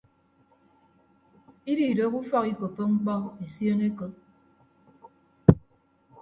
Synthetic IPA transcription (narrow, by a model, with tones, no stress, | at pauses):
i˦di˨do˦ku˦fɔ˦ki˨ko˨pːo˦ŋ͡m̩˦k͡pɔ˦e˨sjo˦ne˦ko˨p̚